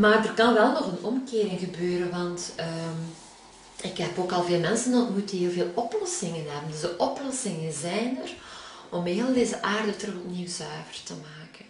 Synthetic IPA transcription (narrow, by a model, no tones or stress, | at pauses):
maːrdərkɑnʋɛlˠnɔxənɔmkɪːɾɪŋɣəbøːɾənʋɑntəm | ɪkɦɛpoːkɑlˠveːlˠmɛnsəndɑtmutəɦeːlˠveːlˠɔplɔsɪŋənɦɛbəndɵzdəʔɔplɔsɪŋənzɛjndər | ɔmɦeːlˠdeːzəʔaːrdətrɵxɔpniwzœɥvərtəmaːkən